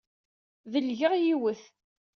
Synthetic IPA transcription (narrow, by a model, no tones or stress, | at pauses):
ðəlʝəʁjiwəθ